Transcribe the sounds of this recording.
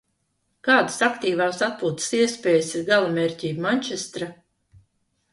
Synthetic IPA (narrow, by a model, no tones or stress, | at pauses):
kaːd̪ɨ̥sakt̪iːvaːsat̪̚puːt̪siɛspʲeːjəsiɾɡalˠameːɾʲcʲiːbmanʲt͡ʃest̪ɾa